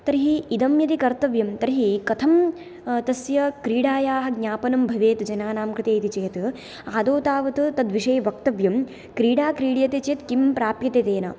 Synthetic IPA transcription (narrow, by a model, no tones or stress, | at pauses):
t̪ɐɾɦiid̪ɐmjɐt̪ikɐɾt̪ɐʋjɐmt̪ɐɾiɦikɐt̪ʰɐm | t̪ɐsjɐkɾiːɽaːjaːɦɐ̆ɡɲʲaːpɐnɐmbʱɐʋeːt̪d͡ʒɐnaːnaːmkɾɪt̪eːt̪it͡ʃeːt̪ | aːd̪oːt̪aːʋɐt̪ɨt̪ɐd̪ʋiʂɐːʋɐk̚t̪ɐʋjɐm | kɾiːɽaːkɾiːɽjɐt̪et͡ʃeːt̪kimpɾaːpjɐt̪et̪eːnɐ̰